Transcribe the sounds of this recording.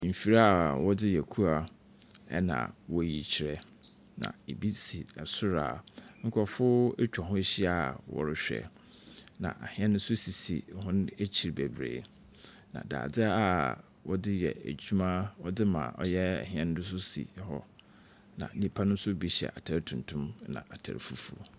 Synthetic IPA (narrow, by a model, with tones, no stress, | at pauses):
m̩˨fi˨ɾa˦˨wɔ˦dɪ˦jɛ˨kʰu˦a˨ | ɛ̰˦nã̰˨wɔ˨ji˨t͡ɕʰi˨ɾɛ˦ | nã̰˨e˨bi˦si˨ɛ˨sʊ˦ɾa̰ː˨ŋ̩˦kʰɔ˨fʊ˦e˦t͡ɕᶣɔ˨ɦʊ̃˦ɕi˦a˨wɔ̰˨ɾɪ˦ɕᶣɛ̰˨ | nã̰˨ʔa̰˨hɪ̃˦ɛ̃˦nʊ̃˦sʊ˦si˨sḭ˨ɦʊ̃˦ne˦t͡ɕʰi˨ɾbe˨bɾḛ˨ | nã̰˨da̰ː˨dɪ˦a˦˨ | wɔ˦dɪ˦jɛ̰˨æ̰˨d͡ʑu˦mã˦wɔ˦dɪ˦mã̰˨ʔɔ˦jɛ˦ɛ̰˨ɦĩ˨˦ɛ̃˦ñ˦dʊ˦s̬ʊ˦sḭ˨˦hɔ˦ | nã̰˨˦nĩ˦pʰa˦nʊ̃˦n̩˦sʊ˦bi˦ɕi˨ɛ̰˨ʔa˨tʰa˨ɾtʰũ˨n˨tʰʊ̃˦m˦nã̰˨ʔa˨tʰæ̰˨ɾfu˦fṵ˨o̰˨